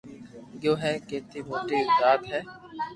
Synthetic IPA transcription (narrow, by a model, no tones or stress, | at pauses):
joːɦɛːkeːt̪imoːʈiɪd͡ʒaːt̪ɦɛː